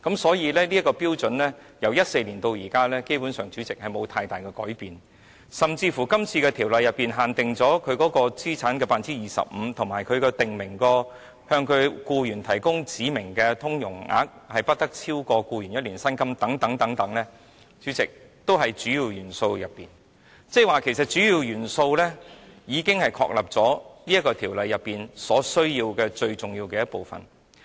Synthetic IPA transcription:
kɐ˨˥msɔː˨˥jiː˨˧lɛː˥li˥kːɔː˧piː˥wt͡sɵ˨˥nlɛː˥ | jɐ˨˩wjɐ˥t̚se˧jliː˨˩nt̪o˧wjiː˨˩kaː˥lɛː˥ke˥jpuː˨˥nsœː˨˩ŋt͡syː˨˥t͡sɪ˨k̚hɐ˨jmo˨˧wt̪ʰaː˧jt̪aː˨jkɛː˧kɔ̰ː˨˥jpiː˨n | sɐ˨mt͡siː˧fuː˨˩kɐ˥mt͡sʰiː˧kɛː˧t̪ʰi˨˩wlɐ˨jɐ˨pːiː˨nɦaː˨˩nt̪ɪ˨ŋt͡sɔː˨˥kʰɵ˨˧ɥkɔː˨˥kɔː˧t͡siː˥t͡sʰaː˨˥nkɛː˧paː˧nt͡siː˥jiː˨˩sɐ̰˨p̚m̩˨˧t̪ʰʊ˨˩ŋmaː˨˩jkʰɵ˨˧ɥkɛː˧t̪ɪ˨ŋmɪ˨˩ŋkɔː˧ | hœː˧ŋkʰɵ˨˧ɥkuː˧jyː˨˩nt̪ʰɐ˨˩jkʊ˥ŋt͡siː˨˥mɪ˨˩ŋkɛː˧t̪ʰʊ˥ŋjʊ̰˨˩ŋa̰ː˨˥k̚hɐ˨jpɐ˥t̚t̪ɐ˥k̚t͡sʰiː˥wkɔː˧kuː˧jyː˨˩njɐ˥t̚liː˨˩nsɐ˥nkɐ˥mt̪ɐ˨˥ŋt̪ɐ˨˥ŋt̪ɐ˨˥ŋt̪ɐ˨˥ŋlɛː˥ | t͡syː˨˥t͡sɪ˨k̚t̪o˥wɦɐ˨jt͡ʃyː˨˥jiː˨˧wjyː˨˩nso˧wjɐ˨pːiː˨n | t͡sɛː˥˩waː˨kʰe˨˩sɐ˨˩t̚t͡ʃyː˨˥jiː˧wjyː˨˩nso˧wlɛː˥jiː˨˧kɪ˥ŋhɐ˨jkʰɔ̰ː˧k̚lɐ˨p̚t͡sɔː˨˥niː˥ɐ˥t̚kːɔː˧t̪ʰiː˨˩wlɐ˨jːɐ˨pːiː˨˩nsɔː˨˥sɵ˥ɥjiː˧wkɛː˧t͡ʃɵ˧ɥt͡sʊ˨ŋjiː˧wkɛː˧jɐ˥t̚po˨wfɐ̰˨n

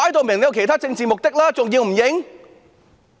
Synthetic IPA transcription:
aː˧˥jt̪̬o˧˩mi˨˩ŋlɛ˧wkʰi˧˩t̪ʰaː˦˥t͡ɕï˧ŋt͡ɕi˨˩mʊ˨˩k͡p̚t̪i˦˥k̚laː˦˥t͡ɕʊ˨˩ŋzi˧əŋm̩˨˩mje˧˥˦ŋ

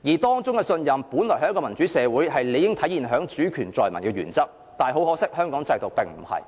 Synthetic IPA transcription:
jiː˨˩t̪ɔː˥ŋt͡sʊ˥ŋkɛ˧sɵ˧njɐ˨mpuː˨˥nlɔː˨˩hɐ˨˥kɔː˧mɐ˨˩nt͡ʃyː˨˥sɛː˨˧wuː˨˥jɦɐ˨jle˨˧jɪ˥ŋt̪ʰɐ˨˥jiː˨nɦœː˨˥ŋt͡ʃyː˨˥kʰyː˨˩nt͡sɔː˨jmɐ˨˩nkɛː˧jy̰ː˨˩nt͡sɐ˥k̚ | t̪aː˨˩jɦo˨˥wɦɔː˨˥sɪ˥k̚hœː˥ŋkɔː˨˥ŋt͡sɐ˧jt̪o˨wpɪ˨ŋm̩˨˩hɐ̰˨˩j

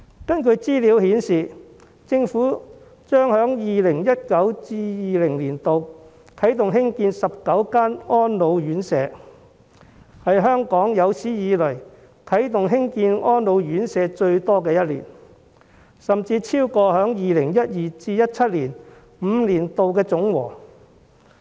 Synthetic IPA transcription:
kɐ˥nkɵ˨˧ɥt͡siː˥liː˨˥whiː˨˥nsiː˨ | t͡sɪ˧ŋfuː˨˥ | t͡ʃœː˥ŋhœː˨˥ŋjiː˨lɪ˨˩ŋjɐ˥t̚kɐ˨˥wt͡siː˧jiː˨lɪ˨˩ŋliː˨˩nt̪o˨w | kʰɐ˨˥jt̪ʊ˨ŋɦɪ˥ŋkiː˧nsɐ˨p̚kɐ˨˥wkaː˥nɔː˥nlo˨˧wjyː˨˥nsɛː˨˧ | hɐ˨jɦœː˥ŋkɔː˨˥ŋjɐ˨˧wsiː˨˥jiː˨˧lɵ˨˩ɥ | kʰɐ˨˥jt̪ʊ˨ŋɦɪ˥ŋkiː˧nɔː˥nlo˨˧wjyː˨˥nsɛː˨˧t͡ʃɵ˧ɥt̪ɔː˥k̬ɛː˧jɐ˥t̚lḭː˨˩n | sɐ˨mt͡siː˧t͡sʰiː˥wkɔː˧hœː˨˥ŋjiː˨lɪ˨˩ŋjɐ˥t̚jiː˨t͡siː˧jɐ˥t̚t͡sʰɐ˥t̚liː˨˩n | m̩ː˨˧liː˨˩nt̪o˨wkɛː˧t͡sʊ˨˥ŋwɔ̰ː˨˩

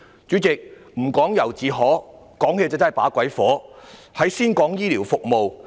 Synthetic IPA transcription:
t͡ʃyː˨˥t͡sɪ˨k̚ | m̩˨˩kɔː˨˥ŋjɐ˨˩wt͡siː˨ɦɔː˨˥ | kɔː˨˥ŋhe˧t͡sa˨t͡sɐ˥ɐ˨˩paː˨˥kʷɐ˨˥jfɔː˨˥hɐ˨˥jsiː˥nkɔː˨˥ŋjiː˥liː˨˩wfʊ˨k̚mo˨˧w

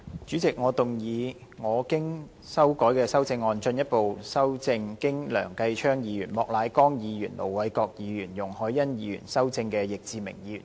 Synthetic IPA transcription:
t͡ʃyː˨˥t͡sɪ˨k̚ŋɔː˨˧t̪ʊ˨˩ŋjiː˨˧ŋɔː˨˧kɪ˥ŋ | sɐ˥wkɔː˨˥jkɛː˧sɐ˥wt͡sɪ˧ŋːɔː˧nt͡ʃɵ˧njɐ˥t̚po˨wsɐ˥wt͡sɪ˧ŋkɪ˥ŋlœ̰ː˨˩ŋkɐ˧jt͡ʃʰœː˥ŋjiː˨˧jyː˨˩nmɔː˨k̚laː˨˧jkɔː˥ŋjiː˨˧jyː˨˩nlo̰˨˩wwɐ˨˥jkɔː˧k̚jiː˨˧˥jyː˨˩njʊ˨˩ŋhɔː˨˥jːɐ˥njiː˨˧˥ɥy̰ː˨˩nsɐ˥wt͡sɪ˧ŋkɛː˧jɪ˨k̚t͡siː˨mɪ̰˨˩ŋjiː˨iː˨˧y̰˨˩n

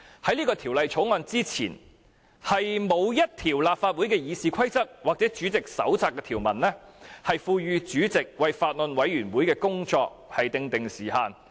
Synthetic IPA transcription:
hɐ˨˥jliː˥kɔː˧t̪ʰiː˨˩wlɐ˨jt͡ʃʰo˨˥wŋɔː˧nt͡siː˥t͡sʰḭː˨˩n | hɐ˨jmo˨˧wjɐ˥t̚t̪ʰiː˨˩wlaː˨p̚faː˧t̚wuː˨˥jkɛː˧jiː˨˧siː˨kʷʰɐ˥jt͡sɐ˥k̚waː˨k̚t͡sɛː˨˥t͡ʃyː˨˥t͡sɪ˨k̚sɐ̰˨˥wt͡saː˧kːɛː˧t̪ʰiː˨˩wmɐ˨˩nlɛː˥hɐ˨jfuː˧ɥyː˨˧t͡ʃyː˨˥t͡sɪ˨k̚wɐ˨jfaː˧t̚lɵ˨nwɐ˨˥jɥyː˨˩nwuː˨˥jkɛː˧kʊ˥ŋt͡sɔː˧k̚hɐ˨jt̪ɪ˨˧ŋt̪ɪ˨ŋsiː˨˩haː˨˧n

